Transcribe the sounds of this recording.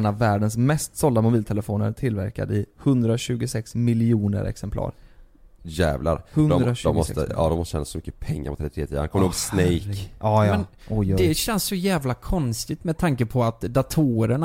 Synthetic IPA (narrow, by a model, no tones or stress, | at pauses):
navːæːɖənsmɛst̪sɔld̪amʊbiːlt̪ʰɛləfoːnə̰ɾʈ̪ʰɪlvæ̰ɾka̰d̪ɪhɵnd̪ɾaɕʉ̟ːɡʊsɛksmɪlɪuːnə̰ɾɛ̰ksɛmpʰlɑ̰ːɾ | jæ̰ːvla̰ɾhɵnd̪ɾad̪ɔmːɔst̪ə̰ɑ̰ːd̪ɔmɔst̪əɕɛːnasɔmʏkːə̥pʰɛŋːa̰ɾpʰɔt̪ʰɾɛdt̪ʰɾeːt̪ʰiːankʰɔmːəoːɡsnɛjkʔɑːɛn | ʔɔjd̪ɛɕɛnssɔjæːvlakʰɔnst̪ɪɡ̚t̪mɛd̪t̪ʰaŋkəpʰɔat̪d̪at̪ʰuɾəɳa